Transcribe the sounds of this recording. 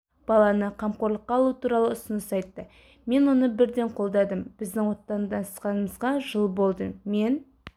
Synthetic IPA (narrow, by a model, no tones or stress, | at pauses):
b̥ɑlˠɑnəqʰɑmqoɾlˠəqːɑlˠut̪uɾɑlˠəʊsənəsɑjt̪ːə | me̞nwo̞nəbɪɾd̪e̞ɴqʰo̞lˠd̪ɑd̪əmb̥ɪzd̪ɪŋwo̞t̪ːɑnd̪ɑnssqɑnəməzʁɑʒəlˠbo̞lˠd̪əme̞n